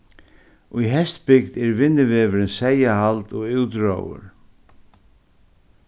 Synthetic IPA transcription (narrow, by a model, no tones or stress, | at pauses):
ujɦɛst̪pɪkt̪ɛɾvɪnːɪvɛːvɪɾɪnsɛːjahalt̪ɔɣɪwt̪ɾo̰wʏ̰ɾ̥